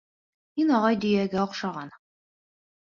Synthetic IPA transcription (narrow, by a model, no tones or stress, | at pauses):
hinɒʁɑjd̪ɵ̆jæɡæŏqʃɑʁɑn